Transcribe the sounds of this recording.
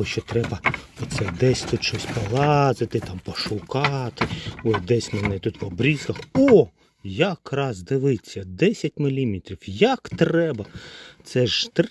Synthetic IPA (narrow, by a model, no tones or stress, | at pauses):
ɔʃt͡ʃɔt̪ɾɛbɐɔt̪sɛd̪ɛsʲt̪ut̪ʃɔsʲpɔlˠɑzɪt̪ɪt̪ɑmpɔʃʊkɑt̪ɪɔsʲd̪ɛsʲmenɛt̪ut̪ʋɔbɾʲizkɐxɔ | jɐkrɑzd̪ɪʋɪt͡sʲːɐd̪ɛsʲɐtʲmɪlʲimʲit̪ʲɾʲiwjɐkt̪ɾɛbɐt̪sɛʒt̪